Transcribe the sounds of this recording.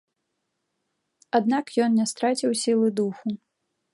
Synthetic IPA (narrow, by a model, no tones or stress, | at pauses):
ad̪nakjɔnnʲɛst̪ɾat͡sʲiwsʲilˠɨd̪uxu